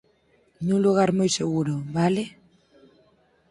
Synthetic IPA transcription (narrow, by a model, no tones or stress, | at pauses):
ɲũluɣ̞aɾmojseɣuɾoβale